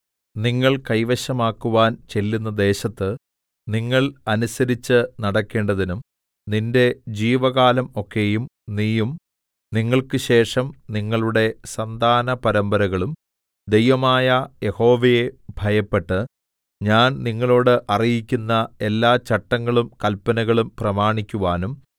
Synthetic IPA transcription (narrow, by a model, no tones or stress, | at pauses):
niŋːɐɭkɐjʋɐɕɐmaːkːuʋaːnt͡ɕe̞lːunːɐd̪e̞ːɕɐt̪ːɨ | niŋːɐɭɐnusɐɾit͡ɕːɨnɐɽɐkːe̞ːɳɖɐðinum | ninde̞d͡ʑiːʋɐɣaːlɐmo̞kːe̞jum | niːjum | niŋːɐɭkɨɕe̞ːʂɐmniŋːɐɭuɽe̞sɐnd̪ʱaːnɐpɐɾɐmbɐɾɐɣɐɭum | d̪e̞jʋɐmaːjɐje̞ho̞ːʋejebʱɐjɐpːe̞ʈːɨ | ɲaːnniŋːɐɭo̞ːɽɨʔɐrijikʲːunːɐe̞lːaːt͡ɕɐʈːɐŋːɐɭumkɐlpːɐnɐɣɐɭumprɐmaːɳikʲːuʋaːnum